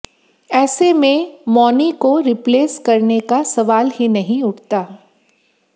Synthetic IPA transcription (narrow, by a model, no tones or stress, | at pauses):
ɛːsemẽmɔːnikoɾɪpleːskɐɾnekasɐʋaːlɦinɐɦĩʊʈt̪aː